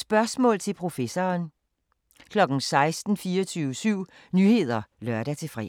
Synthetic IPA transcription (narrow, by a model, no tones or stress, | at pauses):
sb̥ɶɐsmɔ̰ːlt͡sʰe̝lpʰʁo̝fesɒːn | kʰlɒ̽ɡ̥n̩sɑ̈ɪsd̥n̩fiːɒt͡sʰyːʊəsyʊ̰ | nyhe̝ð̞̰ˠɐlɶɐɾæt͡sʰe̝fʁɛ̰